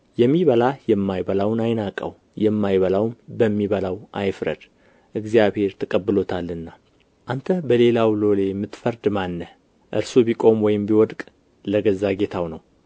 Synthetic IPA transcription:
jɛmːiβəlajɛmːajbəlawnajnakʼə̰w | jɛmːajβəlawnbəmːiβəlawʔajfɾə̰d̪̥ | ʔɨɡzijaβhe̞ɾt̪ʰəkʼəbːɨlo̞t̪ʰalːɨnːa | ʔant̪ʰəbəle̞lawlo̞le̞mɨt̪fəɾd̪manːə | ʔɨɾsobikʼo̞mwɔjɪmbiwɔd̪kʼ | ləɡəzːaɡe̞t̪ʰawnəw

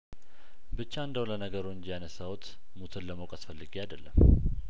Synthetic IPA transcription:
bɨt͡ʃːaɨnd̪əwlənəɡəɾoɲd͡ʒjanəsawt̪ | mut̪ʰɨnləməwkʼasfəlːɨɡiajd̪əlːəm

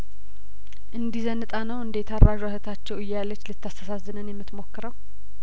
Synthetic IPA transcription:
ʔɨnd̪izənɨt̪ʼanəwɨnd̪et̪ʰaɾːaʒwahət̪ʰat͡ʃːɛwɨjːalːət͡ʃːlɨt̪ːast̪ʰəsazːɨnənjɛmːɨt̪mo̞kːɨɾəw

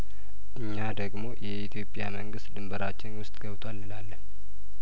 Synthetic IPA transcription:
ʔɨɲːad̪əɡmo̞jɛit̪ʰjo̞pʼːjaməŋɡɨst̪d̪ɨmbəɾat͡ʃːɪnwʊst̪ʼɡəβt̪ʰʷalːɨlalːən

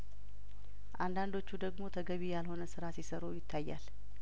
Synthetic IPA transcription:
ʔand̪and̪o̞t͡ʃːud̪əɡmo̞t̪ʰəɡəβijalho̞nəsɨɾasisəɾojɪt̪ʰːajːa̰l

